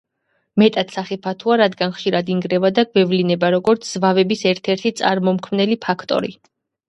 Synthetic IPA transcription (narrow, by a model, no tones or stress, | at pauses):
mɛt̪ʼat̪saχɛpʰat̪ʰuaɾad̪ɡanχʃiɾad̪iŋɡɾɛvad̪aɡvɛvlinɛbaɾɔɡɔɾt̪sʰz̥vavɛbisɛɾt̪ʰɛɾt̪ʰit̪sʼa̰ɾmɔmkʰmnɛlipʰakʰt̪ʼɔ̰ɾḭ